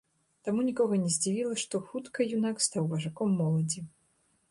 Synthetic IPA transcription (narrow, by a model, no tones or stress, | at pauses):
t̪amunʲikɔɣɐnʲɛzʲd͡zʲivʲilˠɐʂt̪ɔxut̪kɐjunakst̪awvɐʐakɔmːɔlˠɐd͡zʲi